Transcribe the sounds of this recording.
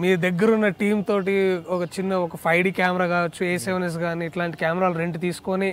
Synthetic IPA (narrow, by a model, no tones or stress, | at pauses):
miːɾud̪ɐɡːɐɾunːɐʈiːmt̪o̞ːʈiɔkɐt͡ʃinːɐɔkɐpʰɐjɖiːkaːmɛɾaːkaːʋɐt͡ʃːueːseʋnes̬ɡaːniːʈlaːɳʈikʲaːmɛɾaːluɾeɳʈt̪iːsu̥koni